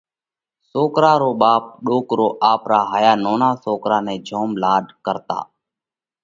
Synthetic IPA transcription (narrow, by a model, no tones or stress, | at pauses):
soːkɾaːɾoːɓaːp̚ɗoːkɾoːʔaːpɾaːɦaːjaːnoːnaːsoːkɾaːnẽːd͡ʒʱoːmlaːɗkəɾt̪a̰ː